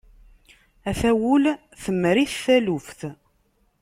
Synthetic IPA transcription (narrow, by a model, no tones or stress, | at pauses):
æθæwʊl | θəmːɾiθθælʊfθ